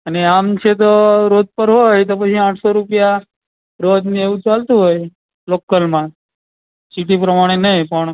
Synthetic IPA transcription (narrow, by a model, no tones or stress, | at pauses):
əneamt͡ʃʰet̪̬oɾod̪̚pəɾɦojt̪opət͡ʃʰiãʈʰsoɾupja | ɾod̪nĩeʋũt͡ʃalt̪ũɦoj | lokːəlmã | siʈipɾəmaɽ̃enəɦĩpəɳ̃